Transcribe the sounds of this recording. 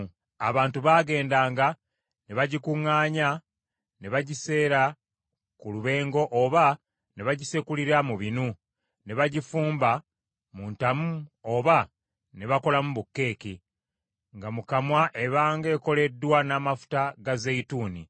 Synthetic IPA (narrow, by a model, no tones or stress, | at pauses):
a̰βaːntuβaɡe̞ːndaːŋɡa | neβaɟikuŋːaːɲa | neβaɟise̞ːɾa | kuluβe̞ːŋɡo̞ʔoːβa | ne̞βaɟisekuliɾamuβinu | ne̞βaɟifuːmba | muntamuo̞ːβa | ne̞βako̞lamuβukːe̞ːki | ŋɡamukamwaʔe̞βaːŋɡe̞ːko̞le̞dːwanaːmafu̥taɡazeituːni